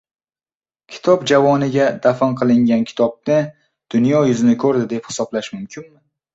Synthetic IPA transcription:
kʲʰɪ̥t̪ʰɒbd͡ʒavɒnɪɡʲad̪̥afanqʰɨlˠɪŋɡʲankʲʰɪ̥t̪ʰɒb̚nɪ | d̪̥ʊnjɒjʊzɪnɪkʰɵɾd̪ɪd̪e̞phɪ̥sɒblaʃmʊmkʲʰɪnmɪ

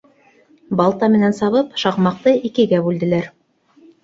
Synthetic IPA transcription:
bɑlˠt̪ɑmɘ̆nænsɑβɤpʃɑqmɑq̚t̪ɤikɘ̆ɡæbʉld̪ɘ̆læɾ

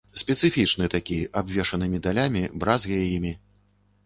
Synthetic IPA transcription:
sʲpʲɛt̪sɨfʲit͡ʂnɨt̪akʲiabvʲɛʂɐnɨmʲid̪alʲamʲibɾazɣʲɐjɛjimʲi

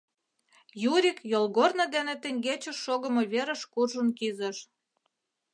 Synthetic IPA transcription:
juɾʲikjolɣornə̆d̪enĕt̪ə̆ŋɡet͡ɕə̆ʃːoɣə̆moβeɾə̆ʃkurʒə̆nkizə̆ʃ

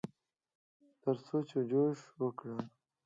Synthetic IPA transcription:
t̪əɾsot͡ʃed͡ʒoʂwəkɽə

